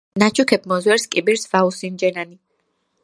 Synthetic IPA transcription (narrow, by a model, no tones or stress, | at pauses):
nat͡ʃʰukʰɛp̚ʰmɔzwɛɾskʼibiɾsvausind͡ʒɛnani